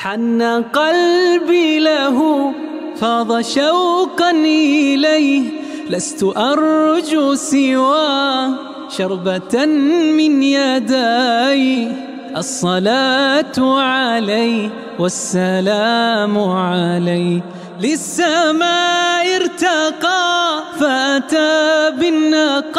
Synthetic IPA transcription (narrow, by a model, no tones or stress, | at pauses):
ħanːaqɑlbiːlaɦʊ | fɑːðˤɑʃawqɑnʔɪlajh | last̪ʊʔɑɾˤd͡ʒusɪwaː | ʃɑɾˤba | mɪnjad̪aj | ʔɑsˤːɑlaːt̪ʕalaj | wasːalaːmʊʕalaj | lɪsːamaːʔɪɾt̪aqɑːfaʔat̪aːbɪnːaq